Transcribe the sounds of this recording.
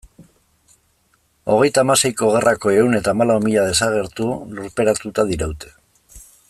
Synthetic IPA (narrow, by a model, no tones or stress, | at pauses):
o̞ɣ̞e̞jt̪aːmase̞jko̞ɣ̞e̞rʔako̞e̞une̞t̪aːmalaumiʎað̞e̞saɣ̞e̞ɾt̪uluɾpe̞ɾat̪ut̪aðiɾawt̪e̞̥